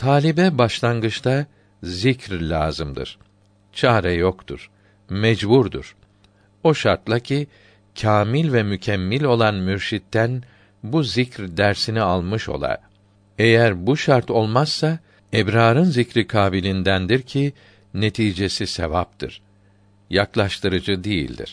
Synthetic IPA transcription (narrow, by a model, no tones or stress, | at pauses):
t̪ʰaːlʲibɛbaʃlˠanɡɯt͡ʃt̪ʰa | zicɾlʲa̰ːzɯmd̪ɯ̰ɾ̥ | t͡ʃʰaːɾɛjokt̪ʰṵɾ̥ | mɛd͡ʒbuɾd̪ṵɾ̥ | o̞ʃaɾt̪lˠacʰi | cʰaːmilʲvɛmycʰɛmːilʲo̞lˠanmyɾʃit̪ːæn | buzicɾd̪æɾsinialˠmɯʃo̞̰lˠa̰ɾ | ejæɾbuʃaɾt̪ʰo̞lˠmaz̥ːa | ɛbɾaːɾɯnzicɾikʰaːbilʲind̪ænd̪iɾcʰi | ne̞t̪ʰiːd͡ʒe̞sisḛvap̚t̪ʰɯɾ̥ | jaklˠaʃt̪ɯɾɯd͡ʒɯd̪ejḭlʲd̪ḭɾ̥